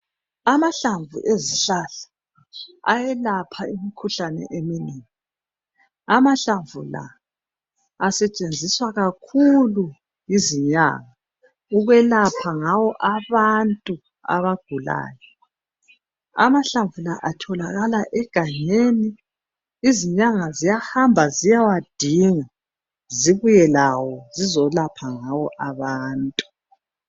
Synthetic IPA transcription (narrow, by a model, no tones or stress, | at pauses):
amaɬaɱvṵʔeziɬaɬḁ | a̰jɛlapʰaimikʰuɬanɛ̰ʔeminiːŋi | amaɬaɱvʱṵla̰ | sɛt͡ʃʼend͡zʱiswaɣakʰulu | jiziɲa̰ɣa | uɣwɛlapʰaŋawɔʔaβantʼu | a̰βaɡ̥ʱula̰ːjɔ | a̰maɬaɱvulaʔatʰɔlaɣalaʔɛɡ̥ʱaɲeniː | ziɲaŋazijahambʱazijawad̥ʱiŋa | ziβujɛlawɔzizɔlapʰaŋawɔʔaβaːntʼu̥